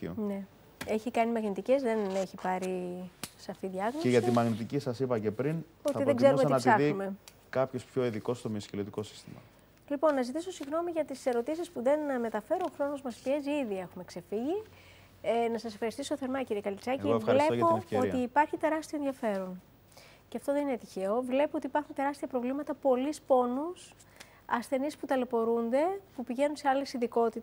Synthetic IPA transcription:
ne̞ | e̞çikɐnimɐɣnit̪ice̞zðe̞ne̞çipɐɾisɐfiðʝɐɣnoeʝɐt̪imɐɣnit̪icisɐsipɐce̞pɾin | o̞t̪ɐiðeɡzzeɾumenɐtsɐiume̞ | kɐpço̞spço̞iðiko̞st̪omiɐscelot̪iko̞si̥st̪imɐ̰ | lipo̞nːɐzit̪iso̞siɣno̞miʝɐt̪ise̞ɾo̞t̪isispuðe̞nme̞t̪ɐfe̞ɾooxɾo̞nozmɐspie̞ziiðie̞xume̞kse̞fiʝi | enɐsɐse̞fxɐɾist̪isoθeɾmɐciɾiekɐlit͡sɐcivlepooiːpɐɾçit̪e̞ɾɐst̪ionðiɐfe̞ɾon | ceɐft̪o̞ðe̞ninet̪içe̞o̞vle̞poo̞t̪ipɐɾxunt̪e̞ɾɐst̪iɐpɾo̞vlimɐt̪ɐpo̞lispo̞nus | ɐsθe̞nisput̪ɐle̞po̞ɾund̪e̞pupiʝe̞nunse̞ɐlesiðiko̞t̪it̪ɐ

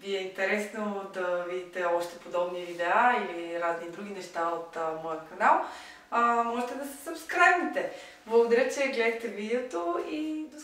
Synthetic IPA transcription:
viɛint̪ɛɾɛsnod̪ɐvid̪it̪ɛɔʃt̪ɛpod̪ɔbnivid̪ɛailiɾaznid̪ɾuɡ̟inɛʃt̪aot̪mɔjəkɐnalˠ | əmɔʒɛt̪ɛd̪ɐsɛ̥sɐpskɾajvnit̪ɛ | blˠəɡod̪ɐɾʲət͡ʃɛɡlɛd̪ət̪ɛvid̪ɛot̪oid̪o

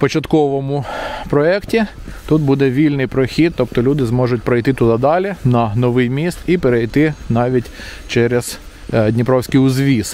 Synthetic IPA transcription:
pɔt͡ʃɐt̪kɔʋɔmʊpɾɔɛktʲit̪ut̪̚bud̪ɛʋʲilʲnɪjpɾɔxʲit̪̚ːɔpt̪ɔlʲud̪ɪzmɔʒʊtʲpɾɔjt̪ɪt̪ʊd̪ɑd̪ɑlʲɪnɐnɔʋɪjmʲist̪ipɛɾejt̪ɪnɑʋʲitʲ | t͡ʃɛɾɛz̥ | dʲnʲɪpɾɔwsʲkijʊzʋʲis

